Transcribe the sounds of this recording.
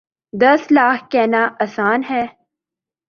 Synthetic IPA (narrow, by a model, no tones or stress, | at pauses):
d̪ɐslaːkʰkɛːnaːʔɐsaːnɦɛː